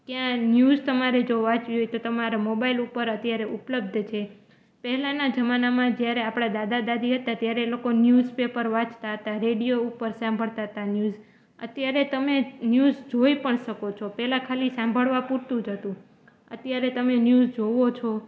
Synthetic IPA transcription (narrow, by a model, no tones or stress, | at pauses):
kjãnjuzt̪əmaɾed͡ʒoʋãt͡ʃʋiɦojt̪ot̪əmaɾamobailupəɾət̪jaɾeʔupləb̚d̪ʱt͡ʃʰe | pɛɦɛlanad͡ʒəmanamãd͡ʒjaɾeapɽ̃ad̪ad̪ad̪ad̪ʱiɦət̪at̪jaɾelokonjuzpepəɾʋãt͡ʃt̪aɦət̪aɾeɽijoupəɾsãmbʱəɭt̪aɦət̪anjuz | ə̰t̪jaɾet̪əmenjuzd͡ʒoipəɳʃəkot͡ʃʰopɛɦlãkʰalisãmbʱəɭʋapuɾt̪ũd͡ʒʱət̪ũ | ə̰t̪jaɾet̪əmenjuzd͡ʒoʋot͡ʃʰo